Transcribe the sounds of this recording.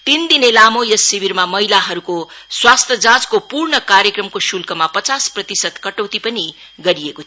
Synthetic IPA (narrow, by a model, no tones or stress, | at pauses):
t̪ind̪inelamojʌsːibiɾmamʌɦilaɦʌɾukoswast̪ʰʌd͡zãd͡zkopurɳʌkaɾjekrʌmkosulkʌmapʌt͡sasprʌt̪isʌt̪kʌʈʌwt̪ipʌni | ɡʌɾijeko